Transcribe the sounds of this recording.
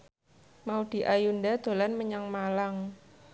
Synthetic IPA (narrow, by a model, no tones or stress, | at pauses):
maud̪̥i̤ʔajunɖad̪̥o̤lanməɲaŋmalaŋ